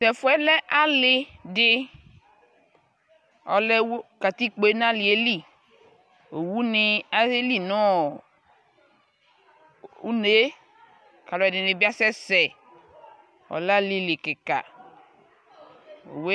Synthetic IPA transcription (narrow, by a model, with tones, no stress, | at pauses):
sɛ˨fɔ˦ɛ˦lɛ˦ʔa˦lɪ˨dɪ˨ | ɔ̰˨lɛ˦wo˦ka˨t̪i˦k͡pe˦nã˦li˨e˦li˦˨ | o˨wu˦nɪ˨a˦e˦li˦nɔ̃˦˨ | u˦ne˦ | ka˨lɔ˨ɛ˨dɪ˨nẽ˨bi˦a˦sɛ˦sɛ˨ | ɔ̰˨lli˦li˨ke˨ka̰˨ | o̰˨we˦